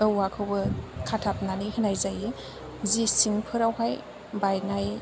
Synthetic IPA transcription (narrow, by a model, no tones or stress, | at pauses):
ɯwakʰɯwbɯkʰatʰap̚nanihɯnajzaji | zisiŋpʰɯɾawɦaj | bajŋaj